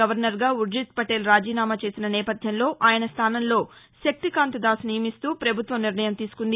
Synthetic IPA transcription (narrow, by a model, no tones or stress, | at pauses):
ɐʋɐɾnɐɾɡaːuɾd͡ʒit̪̚pɐʈeːlɾaːd͡ʒiːnaːmat͡ʃe̞ːsinɐnɛːpɐd̪ʱjɐnlo̞ːʔaːjɐnɐst̪ʰaːnɐnlo̞ː | ʃɐk̚t̪ikaːnt̪ɐd̪aːsnijɐmist̪uːpɾɐbʱut̪ʋɐmniɾɳɐjɐmt̪iːsu̥kund̪i